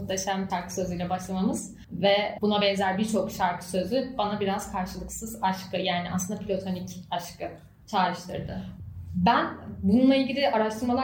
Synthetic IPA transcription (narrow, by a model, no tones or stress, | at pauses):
t̪leʃamʃaɾkʰɯ̥sø̞zyjlʲɛbaʃlˠamamɯz̥ | vɛbunabɛnzælʲbiɾt͡ʃʰo̞kʃaɾkʰɯ̥sø̞zybanabiɾaz̥kʰaɾʃɯlˠɯksɯzaʃkɯjaːnɪaslɯnd̪apʰilʲo̞t̪ʰo̞nicaʃkʰɯ | t͡ʃʰaːɾɯʃt̪ʰɯ̰ɾd̪ɯbænbununˠailʲɟilʲiʔaɾaʃt̪ʰɯɾmalˠa